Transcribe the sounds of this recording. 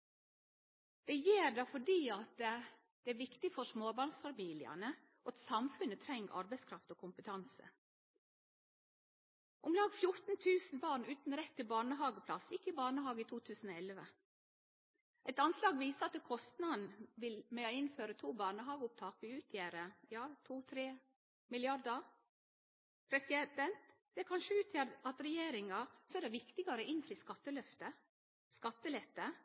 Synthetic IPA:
d̪̥ɛjeːɾɖ̪ɑfɔɖiːɑt̪̚ | d̪̥ɛːæːɾʋɪkt̪ɪfɔsmoːbɑːɳsfɑmiːlɪɑ̰nə | ʔɑt̪sɑmfʉnət̪ʰɾɛŋʔɑ̰ɾbɛɪskʰɾɑft̪oːkʰʊmpət̪ʰɑnsə̰ | ʔʊmlɑːɡfjʊɾt̪n̩t̪ʰʉːsn̩bɑːɳʉːt̪n̩ɾɛt̪ʰːɪlbɑːɳəɦɑːɡəpʰlɑsɪkːəɪbɑːɳəɦɑːɡəiːt̪ʰuːt̪ʰʉːsn̩oːɛlʋə | ʔɛt̪ɑnslɑːɡʋiːsəɑt̪ːɛkʰɔst̪nɑd̪nʋɪlmɛɪnføːɾət̪ʰuːbɑːɳəɦɑːɡəʊp̚t̪ʰɑːkəʉːt̪ʰjeːɾəjɑːt̪ʰuːt̪ʰɾeː | mɪlɪɑɾd̪əɾ | pʰɾɛsɪd̪ɛnt̪ | d̪ɛkʰɑnʃəʉːt̪ʰjæːɾɑt̪ɾɛjeːɾɪŋɑsɔɛːdɛʋɪkt̪ɪɡɑɾəɪnfɾiːskɑt̪ːəlœft̪ə | skɑt̪ːəlɛt̪ːə

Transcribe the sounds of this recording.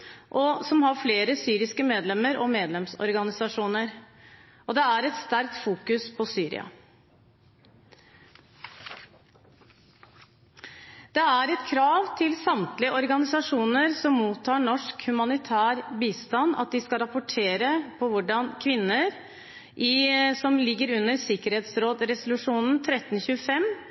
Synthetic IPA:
ʔɔsɔmhɑɾfleːɾəsyːɾɪskəmeːd̪lɛmːəɾɔmeːd̪lɛmsɔ̰ɾɡɑnɪsɑʂuːnəɾ | ʔɔd̪ɛæɾɛt̪st̪æɾk̚t̪fuːkʉspʰɔsyːɾɪ̰ɑ̰ | d̪̥ɛæɾɛt̪kʰɾɑːʋt̪ʰɪlsɑmt̪lɪəʔɔɾɡɑnɪsɑʂuːnəɾsɔmːuːt̪ʰːɑːɳɔʂkhʉmɑnɪt̪ʰæːɾbiːst̪ɑnːɑ̰t̪̚d̪ɪskɑɾɑpʊʈʰeːɾəpʰɔʋʊɖɑnkʰʋɪnːəɾ | ʔɪsɔmlɪɡːəɾʉnːəɾsɪkəɾheːt̪sɾoːd̪ɾɛsʊlʉʂuːnn̩t̪ʰɾɛt̪ːn̩çʉːəfɛm

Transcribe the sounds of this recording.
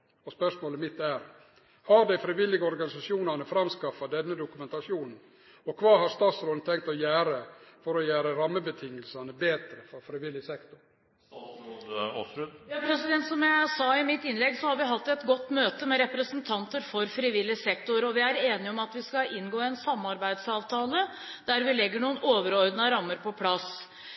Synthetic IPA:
ɔspœʂmoːləmɪt̪ːæɾ | hɑɾd̪æɪfɾɪʋɪlːɪɡəɔɾɡɑnɪsɑʂjuːnɑnəfɾɑmskɑfːɑd̪ɛnːəd̪ʊkʉmɛnt̪ɑʂjuːnn̩ | ɔkʰʋɑːɦɑɾst̪ɑːt̪sɾɔːlnt̪ʰɛŋk̚t̪ɔjæːɾəfɔɾɔjæːɾəɾɑmːəbət̪ʰɪŋːəlsɑnəbeːt̪ɾəfɔɾfɾɪʋɪlːɪsɛkt̪ʊɾ | jɑːpʰɾɛsɪd̪ɛnt̪sɔmjæɪsɑːɪmɪt̪ːɪnlɛɡsɔhɑɾʋɪɦɑt̪ːɛt̪ɡɔt̪ːmøːt̪əmɛɾɛpɾəsənt̪ʰɑnt̪əɾfɔɾfɾɪʋɪlːɪsɛkt̪ʊɾɔʋɪæɾeːnɪɔmɑt̪ʋɪskɑʔɪnɡoːɛnsɑmːɑɾbæɪd̪sɑːʋt̪ʰɑːlə | d̪̥æɾʋɪlɛɡːəɳuːənoːʋəɾɔɾd̪nəɾɑmːəɾpɔpʰlɑs

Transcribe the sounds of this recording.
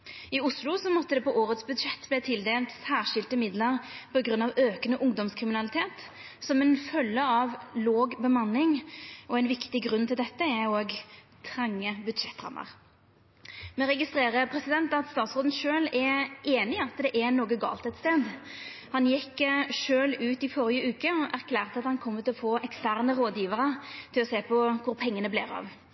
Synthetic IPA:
ɪʊslʊsɔmɔt̪ːəd̪ɛpʰɔʔoːʁət̪sbʉd̪ʂɛt̪ːblɛːt̪ʰɪld̪eːlt̪sæːʁʂɪlt̪əmɪd̪ləʁpʰɔɡɾʁʉnːɑʋøːkənəʔʊŋd̪ɔmskʰʁɪmɪnɑlɪt̪ʰeːt̪ | sɔmɛnfœlːəɑʋloːɡbəmɑnːɪŋʔɔæɛnʋɪkt̪ɪɡʁʉnːt̪ʰɪld̪ɛt̪ːəɛoːɡ | t̪ʰʁɑŋːəbʉd̪ʂɛt̪ːɾɑ̰mːə̰ʁ | mɛɾɛɡɪst̪ɾeːʁəpʰɾɛsɪd̪ɛnt̪ɑt̪st̪ɑːt̪sʁoːd̪n̩ʃøːlɛʔeːnɪɑt̪d̪ɛʔɛnoːɡəɡɑ̰ːlt̪ɛt̪st̪eːd̪ | hɑnjɛkːəʂøːlʉːt̪ɪfɔɾɪjəʉːkəɔʔæʁkʰlæːʁt̪əɑt̪hɑnkʰɔmːət̪ʰɪlɔfoːʔɛkst̪æʁnəʁoːd̪jiːʋəɾət̪ʰɪlɔseːpʰɔkʰʊɾpʰɛŋːənəblḛːɾɑ̰ʋ

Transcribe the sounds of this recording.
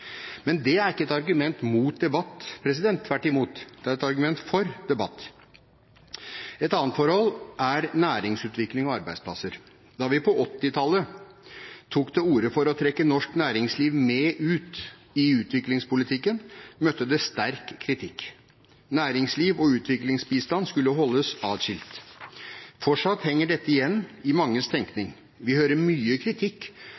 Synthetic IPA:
mɛnd̪ɛæɾɪkːəɛt̪ɑɾɡʉmɛnt̪muːt̪̚d̪ɛbɑt̪ːpʰɾɛs̬ɪd̪ɛnt̪ʰːʋæʈːɪmuːt̪d̪̥ɛæɾɛt̪ɑɾɡʉmɛnt̪fɔɾd̪ɛbɑt̪ː | ɛt̪ɑːnt̪fɔɾhɔlʔæɾnæːɾɪŋsʉːt̪ʋɪklɪŋɔɑɾbæɪd̪spʰlɑsəɾ | d̪ɑʋɪpʰɔʔɔt̪ːɪt̪ʰɑlə | t̪ʰuːkd̪ɛuːɾəfɔɾɔt̪ʰɾɛkːənɔʂknæːɾɪŋsliːʋmɛʔʉːt̪ | ɪʉːt̪ʋɪklɪŋspʰʊlɪt̪ʰɪkːənmœt̪ːəd̪ɛst̪æɾkʰːɾɪt̪ʰɪkː | næːɾɪŋsliːʋɔʉːt̪ʰʋɪklɪŋsbiːst̪ɑnskʉlːəɦɔlːəsɑːd̪ɕɪlt̪ | fɔʂɑt̪hɛŋːəɖɛt̪ːəɪjɛnːɪmɑŋːəst̪ʰɛŋknɪŋ | ʋɪhøːɾəɾmyːəkʰɾɪt̪ʰɪkː

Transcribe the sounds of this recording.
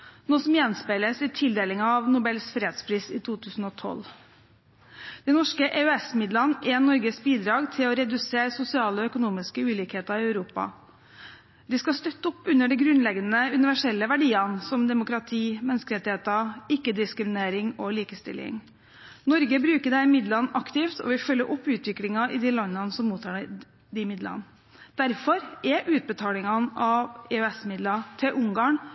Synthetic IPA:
noːsɔmjɛnspeləsɪt̪ʰɪld̪eːlɪŋɑɑʋnʊbɛlsfɾeːd̪spʰɾiːsiːt̪ʰuːt̪ʰʉːsn̩ɔt̪ʰɔ̰l | d̪̥ɛɪnɔʂkəʔeœɛsmɪd̪lɑnʔɛnɔɾɡəsbiːd̪ɾɑːɡt̪ʰɪlɔɾɛd̪ʉseːɾsʊsɪɑːləɔœkʊnuːmɪskəʉːliːkheːt̪ɑɾɪœʉɾuːpɑ̰ | d̪ɪskɑst̪œt̪ːəʊpːʉnːəɖɛɡɾʉnlɛɡnəʉnɪʋæʂɛlːəʋæɖiːɑnsɔmd̪ɛmʊkɾɑt̪ʰiːmɛnəskəɾɛt̪ːɪheːt̪ɑɪkːəd̪ɪskɾɪmɪneːɾɪŋɔliːkəst̪ɪ̰lːɪ̰ŋ | nɔɾɡəbɾʉːkəɖɛɪmɪd̪lɑnɑkt̪ɪft̪ʰɔ̰ʋɪfœlːəɾʔɔpːʉːt̪ʋɪklɪŋɑɪd̪iːlɑnːɑnsɔmːuːt̪ʰɑː | d̪ɪmɪd̪lɑ̰n | d̪̥æɾfɔɾʔɛʔʉːt̪̚bət̪ʰɑːlɪŋɑnɑʋɛœɛsmɪd̪lɑt̪ʰɪlʔʊŋɡɑːn

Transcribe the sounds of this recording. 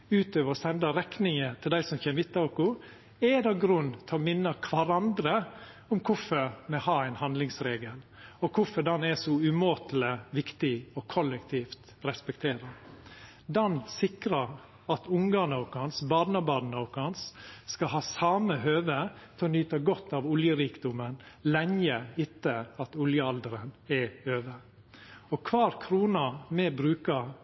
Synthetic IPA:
ʉːt̪øːʋəɾɔsɛnd̪əɾɛknɪŋət̪ʰɪld̪æɪsɔmçɛːmɪt̪ːɑʊkʊ | ɛd̪ɑɡɾʉnːt̪ʰɛɔmɪnːəkʰʋɑɾɑnd̪ɾə | ʊmkʰʊfəɾmɛhɑːæɪnhɑnd̪lɪŋsɾeːɡəlɔkʰʊfɔɖ̪ɑnɛsɔʉmoːt̪l̩əʋɪkt̪ɪɔkʰɔlːɛkt̪ʰiːft̪ | ɾɛspɛkt̪ʰeːɾə | d̪ɑnsɪkɾɑɾ | ɑt̪ʊŋɡɑːɳɑʊkɑnsbɑːd̪nɑbɑːd̪nɑʊkɑnsːkɑɦɑːsɑːməhøːʋət̪ʰɛɔnyːt̪ɑɡɔt̪ːɑʋʊljəɾiːkd̪ʊmənlɛŋəɪt̪ːəɑt̪ʊljəɑld̪əɾənɛøːʋə | ɔkʰʋɑːɾkʰɾuːnɑmɛbɾʉːkɑ

